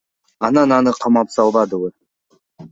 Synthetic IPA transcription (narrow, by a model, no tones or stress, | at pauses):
ɑnɑnɑnəqʰɑmɑpsɑlˠbɑd̪əwə